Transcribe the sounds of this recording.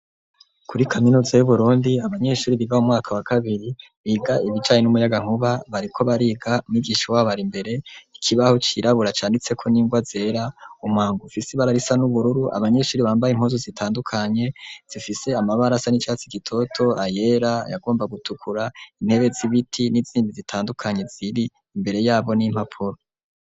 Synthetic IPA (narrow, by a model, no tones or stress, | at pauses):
kʰuɾikʰaminuːzajuβuɾuːndiaβaɲe̞ʃuːɾiβiɡaumŋaːkʰawakʰaβiɾi | βiɡaʔiβid͡ʒaːɲenumujaɡaŋ̥huβaβaɾikʰo̞βaɾiːɡamiɡiːʃiwaβaɾimbe̞ɾe̞ikʰiβahot͡ʃiɾʔaβuɾat͡ʃaːndit͡se̞kʰo̞niːŋɡwaze̞ːɾaumaːŋɡufisiβaɾaɾisanuβuɾuɾuʔa̰βaɲe̞ʃuɾiβaːmbajiŋ̥hozozitʰaːndukʰaɲe̞z̥ifise̞amaβaɾasanit͡ʃat͡siɡitʰo̞tʰo̞aje̞ɾaja̰ɡo̞ːmbaɡutʰukʰuɾain̥he̞βe̞ziβitʰiniziːmbizitʰaːndukʰaɲe̞z̥iɾiː | mbe̞ɾe̞jaːβo̞nim̥hapʰuɾo